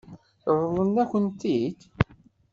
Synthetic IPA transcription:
ðˤlˤənːækʷənt̪id̪

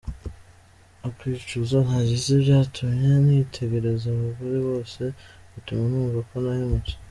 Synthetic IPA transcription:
okwiːt͡ʃuzon̥aɟizibjaːtʰumɲe̞nitʰe̞ɡe̞ɾe̞zaβuβuɾiβo̞ːse̞ | utumanuːɡakonahemuci̥

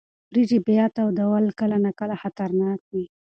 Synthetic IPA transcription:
bɾid͡ʒibejat̪awd̪awalkəlanakəlaxat̪aɾnɑk̚wi

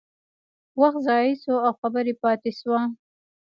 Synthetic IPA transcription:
waxt̪zɑjisoawxabəɾepɑt̪eswa

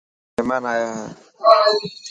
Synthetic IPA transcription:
ɛmanaja

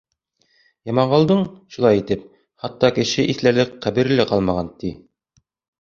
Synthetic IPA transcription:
jɑmɑɴʁɑlˠd̪ɤɴʃulˠɑjit̪ɘp̚ | χɑt̪ːɑkɘ̆ʃɘʔiθlælɘkqæβɘ̆ɾ̆lɘqɑlˠmɑʁɑnt̪i

